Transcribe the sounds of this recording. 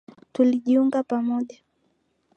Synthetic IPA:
tuliʄiuŋɡapamɔʄa

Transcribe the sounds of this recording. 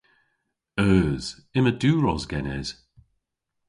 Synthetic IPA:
œːz̥ | ɪməduːɹɔzɡɛnɛ̰z̥

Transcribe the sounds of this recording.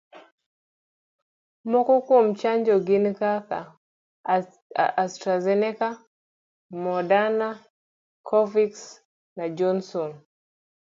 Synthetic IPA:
mɔkɔkomt͡ʃaɲd͡ʒɔɡinkaka | a̰ʔːstɾazɛnɛka | mɔdana | kʰɔviks | nad͡ʒɔnsɔn

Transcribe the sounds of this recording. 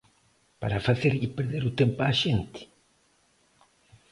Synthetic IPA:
pa̰ɾafaθeɾipeɾðeɾut̪empaʃent̪ɪ̥

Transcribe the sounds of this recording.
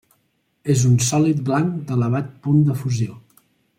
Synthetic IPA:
ezunsɔlit̪̚blaŋd̪ələβat̪̚pund̪əfuzio

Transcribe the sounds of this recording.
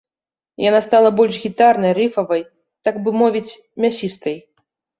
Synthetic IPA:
janast̪alˠɐbɔlʲʃɣʲit̪arnɐjrɨfɐvɐj | t̪aɡbɨmɔvʲit͡sʲ | mʲasʲist̪ɐj

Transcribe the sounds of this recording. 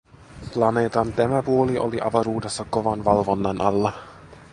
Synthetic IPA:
plɑneːt̪ɑnt̪æmæpuoliʔo̰liʔɑʋɑɾuːdesːɑkoʋɑnʋɑlʋo̞nːɑnʔɑlːɑ

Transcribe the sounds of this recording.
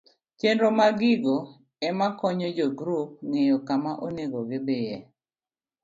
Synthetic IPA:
t͡ʃendɾomaɡɪɡo | ɛmakɔɲɔd͡ʒɔɡɾup̚ŋejɔkamaʔoneɡoɡɪbeje

